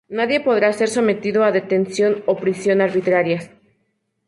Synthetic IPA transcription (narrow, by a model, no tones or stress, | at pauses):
naðje̞po̞ðɾase̞ɾso̞me̞t̪iðoaðe̞t̪e̞nsjo̞nopɾisjo̞naɾβit̪ɾaɾja